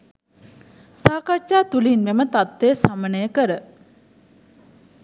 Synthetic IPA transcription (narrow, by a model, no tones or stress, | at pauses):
saːkat͡ʃːaːt̪ulinmemət̪at̪ʋeːsamənəjəkəɾə